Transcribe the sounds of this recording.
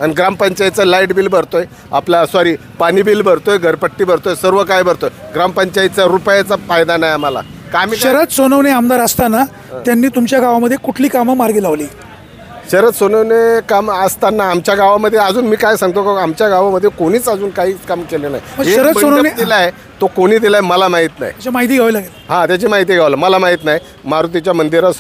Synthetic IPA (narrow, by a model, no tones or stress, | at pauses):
aniɡɾampəɲt͡ɕajit͡səlaiʈbiːlbʱəɾt̪oj | aplasʋaɾiː | pañiːbiːlbʱəɾt̪ojɡʱəɾpəʈːiːbʱəɾt̪ojsəɾʋəkajbʱəɾt̪ojeɡɾampəɲt͡ɕajit͡saɾupjat͡safajd̪anajamala̰ | kamiɕəɾət̪sonəʋneamd̪aɾəst̪ana | janːiːt̪umt͡ɕjaɡaʋaməd̪ʱːjekuʈʰliːkaməmaɾɡiːlaʋliː | ɕəɾət̪sonəʋnekaməst̪anːaːmt͡ɕjaɡaʋaməd̪ʱːjeəd͡zuːnmiːkajsãŋɡ̚t̪okamt͡ɕjaɡaʋaməd̪ʱːjekoɽ̃iːt͡səd͡zuːnkaɦiːt͡skamkelena̰ɦjməɡeəɾətsonəned̪ilae | t̪okoɽ̃iːd̪ilaeməlamaɦit̪na̰ɦjd͡ʑemaɦit̪iːɡʱaʋlaɡelɦãt̪jat͡ɕemaɦit̪̬iɡʱaʋlaməlamaɦit̪naɦj | maɾut̪̬it͡ɕjamənd̪iɾas